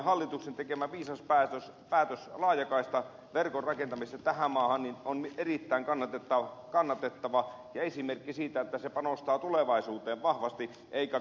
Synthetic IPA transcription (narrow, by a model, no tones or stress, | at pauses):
hɑlːit̪uksent̪ekemæʋiːsɑspæːt̪øs | pæːt̪øslɑːjɑkɑist̪ɑ | ʋerkorrɑkent̪ɑmist̪ɑt̪æhæmmɑːhɑnninonmierit̪ːæiŋkɑnːɑt̪et̪ːɑkɑnːɑt̪et̪ːɑʋɑ | jɑesimerkːisiːt̪æet̪ːæsepɑnost̪ɑːt̪uleʋɑisuːt̪eːʋʋɑhʋɑst̪i | ʔeikæ